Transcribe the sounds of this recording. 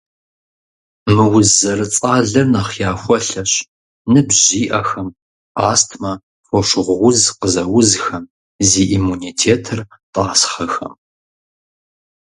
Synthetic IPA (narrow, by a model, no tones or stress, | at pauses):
mɨwʊzzɐrɨt͡sʼaːɮɐrnɐχjaːxʷɔɬɐɕ | nɨbʑiːʔɐxɐm | aːstʰmɐ | fʷɔʂʁʷʁʷʊzqəzɐwʊzxɐm | ziːʔimuniːtʰeːtʰɨrtʼaːsχɐxɐ̰m